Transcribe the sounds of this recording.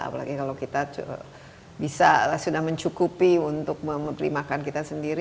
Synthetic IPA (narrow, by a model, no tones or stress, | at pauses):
a̰pa̰la̰ɡikalawkit̪aə̰ | bisasudahməɲt͡ʃukupiunt̪ʊk̚məməpəɾḭmakankit̪asəndiɾ